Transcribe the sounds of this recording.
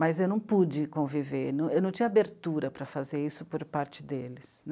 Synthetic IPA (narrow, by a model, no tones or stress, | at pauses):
mɐzewnɐ̃w̃pud͡ʒɪkõvivenɐ̃w̃ewnɐ̃w̃t͡ʃĩɐabeɾt̪uɾɐpɾɐfazeɾisʊpoɾpaɾt͡ʃɪd̪elɪsn